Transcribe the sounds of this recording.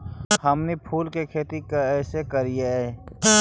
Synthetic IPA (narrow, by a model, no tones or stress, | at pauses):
hɐmnipʰuːlkekʰeːt̪ikɛːsekɐɾijeɦɛ